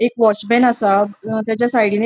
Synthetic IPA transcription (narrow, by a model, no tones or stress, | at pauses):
ekʋɔt͡ɕbɛnasat̪jat͡ɕjasajɽine